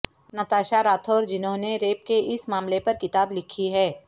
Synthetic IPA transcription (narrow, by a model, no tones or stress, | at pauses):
nɐt̪aːʃaɾaːt̪ʰoːɾd͡ʒɪnɦõneɾeːp̚keʔɪsmaːmlepɐɾkɪt̪aːblɪkʰiɦɛː